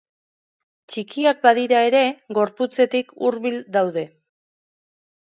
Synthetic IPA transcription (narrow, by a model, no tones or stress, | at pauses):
t͡ʃikiak̚baðiɾae̞ɾe̞ɣo̞ɾput͡se̞t̪ikuɾβild̪awðe̞